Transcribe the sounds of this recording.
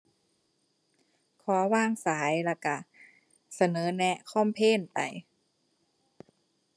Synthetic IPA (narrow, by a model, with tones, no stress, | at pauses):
kʰɔː˨˩˦waː˧˥˩ŋsaː˩˦jla˧˩ka˧˩ | sa˧nɤː˨˦nɛ˧˥kʰɔː˧˥˨mpʰeː˧˥˨npa̰˨˩j